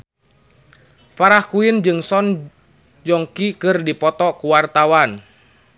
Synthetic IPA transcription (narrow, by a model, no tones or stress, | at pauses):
faɾahkuind͡ʒɨŋsɔn | d͡ʒɔŋkikɨrdipɔt̪ɔkuwart̪awan